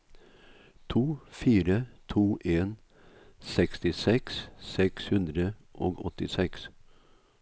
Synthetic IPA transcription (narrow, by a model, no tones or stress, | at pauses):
t̪ʰuːfiːɾət̪ʰuːʔeːn | sɛkst̪ɪsɛkssɛkshʉnd̪ɾəʔoːɡɔt̪ɪsɛks